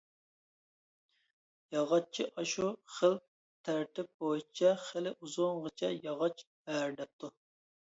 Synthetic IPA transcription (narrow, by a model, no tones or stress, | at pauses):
jɑʁɑt͡ʃʰiʔɑʃuχəl | t̪ʰæɾt̪ʰɪp̚bojit͡ʃʰɛχɪlɪʔuzʊŋʁət͡ʃʰɛjɑʁɑt͡ʃbæɾd̪ɛp̚t̪ʰu